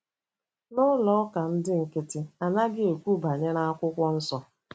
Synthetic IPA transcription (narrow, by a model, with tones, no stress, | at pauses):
nʊ˦lɔ˦ɔ˦ka˨n̩˦dɪ˦ŋ̩˨kɪ˦tɪ˦a˨na˦ɡɪ˦o˨kʷu˦ba˨ɲe˦ɾa˦a˦kʷʊ˦kʷɔ˦n̩˦sɔ˦